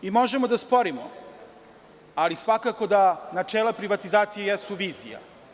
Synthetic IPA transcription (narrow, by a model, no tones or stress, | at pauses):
imo̞ʒemod̪aspo̞ɾimo̰ | alisʋakako̞d̪anat͡ʂeːlˠapɾiʋat̪izaːt̪sijejɛsuʋiːzija̰